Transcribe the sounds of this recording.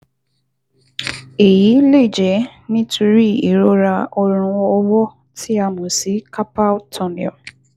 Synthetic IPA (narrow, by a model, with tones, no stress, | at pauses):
e˨ji˨˦le˦˨d͡ʒɛ˨˦nĩ˦tʰu˧ɾi˦˨i˨ɾo˦ɾa˧ɔ˧ɾ̃ũ˧ɔ˦wɔ˦ | tʰi˦a˧mũ˨si˨˦kʰa˦pa˦tʰɔ˦˨nḭ˨ɔ̰˨